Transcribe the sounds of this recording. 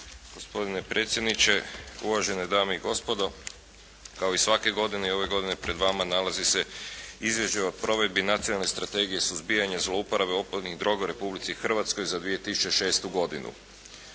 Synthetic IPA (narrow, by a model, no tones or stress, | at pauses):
ɡ̥o̞spo̞d̪ine̞pɾʔe̞ːt̪sjed̪nit͡ɕe̞uʋaʒe̞ned̪aːmeiɡo̞spo̞d̪o̞ | kaoisʋake̞ɡo̞d̪ineio̞ʋe̞ɡo̞d̪ine̞pɾe̞d̪ʋamanalaziseizʋje̞ʃt͡ɕeopɾo̞ʋe̞d̪̚binat̪sionalˠnest̪ɾat̪e̞ːɡije̞suzbijaɲezloupoɾabeo̞pod̪niɣd̪ɾo̞ɡauɾe̞publit̪sixr̩ʋat̪sko̞jzad̪ʋije̞t̪isu̥t͡ʃe̞ʃe̞ːst̪uɡo̞d̪inṵ